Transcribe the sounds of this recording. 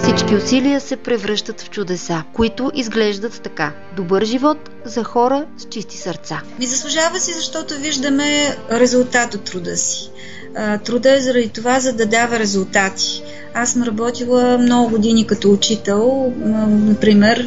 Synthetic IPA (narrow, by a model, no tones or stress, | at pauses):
fsit͡ʃkiʊsiliəsɛpɾɛvɾɤʃt̪ət̪ft͡ʃʊd̪ɛsakʊit̪ʊʔizɡlɛʒd̪ət̪ːɐka | d̪obɤɾʒivɔt̪ | zɐxɔɾəst͡ʃist̪i̥sɐɾt̪samizɐslˠʊʒavəsizɐʃt̪ɔt̪oviʒd̪əmɛɾɛzʊlˠt̪at̪ot̪ːɾʊd̪əsi̥ | t̪ɾud̪əɛzɐɾɐd̪it̪ovazɐd̪ɐd̪avɐɾɛzulˠt̪at̪i̥ | asəmɾɐbɔt̪ilˠəmnɔɡʊɡʊd̪inikɐt̪ɔʊt͡ʃit̪ɛlˠ | nɐpɾimɛɾ